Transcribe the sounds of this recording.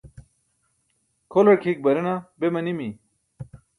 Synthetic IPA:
kʰolɐɽkʰiːk̚bɐɾinabemɐnimi

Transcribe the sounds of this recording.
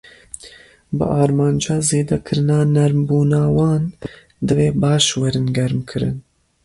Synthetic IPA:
bɨ̰ʔɑːɾmɑːnd͡ʒɑːzeːd̪ɛkʰɨɾɨnɑːnɛɾmbuːnɑːwɑːn | d̪ɨveːbɑːʃwɛɾɨnɡɛɾmkʰɨɾɨ̰n

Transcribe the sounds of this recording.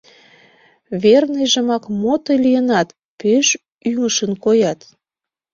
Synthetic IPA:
βernejʒəmɑkmot̪olijənɑt̪ | peʃ | yŋəʃənkojɑt̪

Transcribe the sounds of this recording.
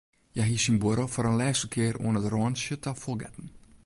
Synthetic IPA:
jɛɦisinbəɾofɔɾənlɛːsəkʰɪəɾo̰ənətrɔːnsjətʰafɔlˠɡɛ̰tn̩

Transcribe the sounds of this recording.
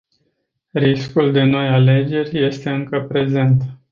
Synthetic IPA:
ɾiskuld̪e̞no̞jale̞d͡ʒe̞rʲje̞st̪e̞ɨŋkəpɾe̞ze̞nt̪

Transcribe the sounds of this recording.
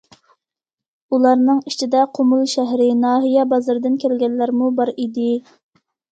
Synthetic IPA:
ulˠɑɾnɨŋit͡ʃʰid̪ɛqʰomulˠʃæɦɾɪnɑːɦijɛbɑzɨɾd̪ɨnkʲʰɛlɡʲɛnlːæɾmubɑɾid̪ɪ

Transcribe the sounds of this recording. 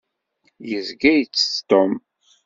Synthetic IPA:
jəzɡæjt͡sːə̥t̪om

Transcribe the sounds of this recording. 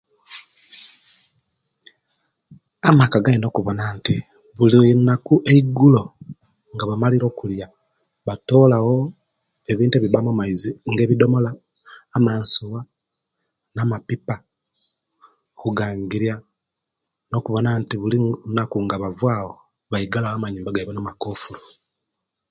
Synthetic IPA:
amakaɡaino̞kuβonaːnti | βulinakuʔeiɡulo̞ | ŋɡaβamaliɾo̞ːkulja | βato̞ːlawo̞ | eβiːntueβiβamumaiziŋɡe̞ːβido̞mo̞laː | maːnsuwa | namapipa | okuɡaːŋɡiɾja | no̞kuβo̞naːntiβulinakuŋɡaβavwaːwo | βaiɡalawoamaɲuːmbaɡaiβanamakoːfuɾu

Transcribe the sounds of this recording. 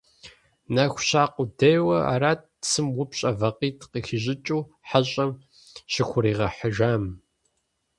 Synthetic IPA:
nɐxʷʊɕaːqʷʼʊdɐjwɐa̰ːɾaːt̚sɨmwʊpɕʼɐvɐqiːtʰqiːxɪʑɪt͡ʃʼuː | ħaɕʼɐm | ɕɪxʷʊɾiːʁɐħəʒaːm

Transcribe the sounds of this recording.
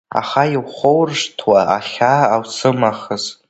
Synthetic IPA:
a̰χaiwχʷowrʂtʰwaaχʲaːwsɨmaχəz

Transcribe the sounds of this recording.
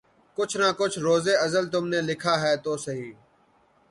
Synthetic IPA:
kʊt͡ʃʰnaːkʊt͡ʃʰɾoːzeːəzəlt̪ʊmneːlɪkʰaːɦɛːt̪oːsəɦiː

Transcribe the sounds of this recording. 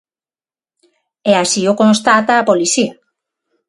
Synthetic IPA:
ɛasiokõnst̪at̪aːpoliθia

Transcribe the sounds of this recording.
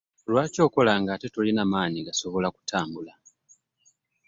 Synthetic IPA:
lwaːco̞ːko̞laŋɡaːte̞tolinamaːɲiɡaso̞βo̞laku̥tʰaːmbula

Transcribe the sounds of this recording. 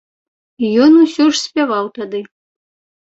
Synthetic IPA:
ijɔnusʲɔʂsʲpʲavawt̪ad̪ɨ

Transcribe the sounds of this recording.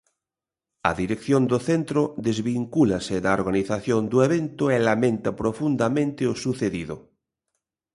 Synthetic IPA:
ɐ̰ðiɾekθjond̪oθent̪ɾoðezβiŋkulaseðaoɾɣaniθaθjond̪oeβ̞ent̪oelamẽnt̪apɾofund̪amẽnt̪eosuθeðiðo

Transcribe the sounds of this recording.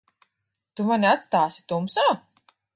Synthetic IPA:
t̪umanʲiat̪st̪aːsi̥t̪umsaː

